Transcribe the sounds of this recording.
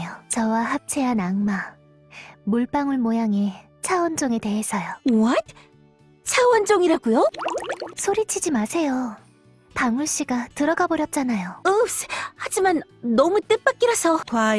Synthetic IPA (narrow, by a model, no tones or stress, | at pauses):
jot͡ɕʌwaɦap̚t͡ɕʰe̞anaŋma | muɭp͈aŋɯɭmojaŋe̞ | t͡ɕʰawʌnd͡ʑoŋete̞ɦesʰʌjowʌt | t͡ɕʰawʌnd͡ʑoŋiɾaɡujo | sʰoɾit͡ɕʰid͡ʑimasʰe̞jo | paŋuɭɕ͈iɡatɯɾʌɡaboɾjʌt̚t͡ɕ͈anajoɯshad͡ʑimanː | ʌmut͈ɯp͈ak͈̚iɾʌsʰʌkwa